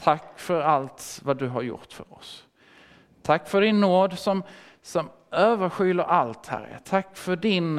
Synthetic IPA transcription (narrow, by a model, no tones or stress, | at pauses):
t̪ʰakːfœɾalt̪vad̪ɵɦaɾjʊ̰ʈ̪fœ̰ɾɔ̰s | t̪ʰakːfœɖɪnːoːd̪sɔm | sɔm | øːvəɾɧʏːləɾʔalt̪hæ̰ɾːə̰t̪ʰakːfœɖɪn